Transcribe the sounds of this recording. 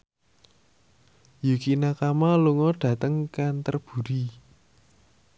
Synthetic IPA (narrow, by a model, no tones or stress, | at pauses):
jukinakamaluŋɔɖ̥ä̤t̪əŋkant̪ərb̥ṳɾi